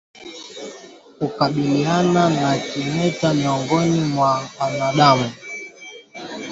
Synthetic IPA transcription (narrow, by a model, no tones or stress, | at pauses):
kukaɓiliananakimɛtamiɔŋɡɔnimwaanaɗamu